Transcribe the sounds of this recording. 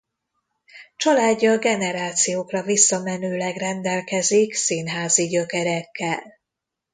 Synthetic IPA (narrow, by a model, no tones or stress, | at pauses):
t͡ʃɒlaːɟːɒɡɛnɛɾaːt̪sijoːkrɒvisːɒmɛnøːlɛɡrɛnd̪ɛlkɛziksinɦaːziɟø̞kɛɾɛkːɛl